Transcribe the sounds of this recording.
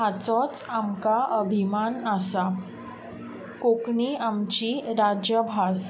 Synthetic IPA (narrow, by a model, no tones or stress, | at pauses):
ɦat͡sɔt͡samkaʔəbʱimanəsa | kokɳiamt͡ɕiɾad͡ʑjəbʱas